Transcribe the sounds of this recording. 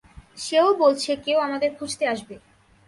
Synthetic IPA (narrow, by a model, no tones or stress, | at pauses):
ʃeobolt͡ɕʰekeoamad̪eɾkʰud͡ʑt̪eaʃbe